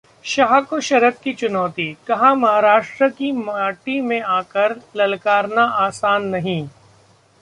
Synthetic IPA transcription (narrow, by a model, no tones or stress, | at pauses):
ʃɐɦakoʃɐɾət̪kit͡ʃʊnɔːt̪ikɐɦãmɐɦaːɾaːʃʈɾəkimaːʈimẽaːkəɾlɐlkaːɾnaʔaːsaːnːɐɦĩː